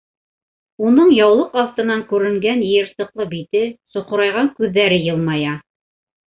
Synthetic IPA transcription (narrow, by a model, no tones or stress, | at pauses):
unɤɴjɑwlˠɤqɑft̪ɤ̆nɑŋkʉɾɘ̆ŋɡænj̆jɘ̆ɾsɤ̆qlˠɤbit̪ɘsŏqŏɾɑjʁɑŋkʉðːæɾɘjɤlˠmɑjɑ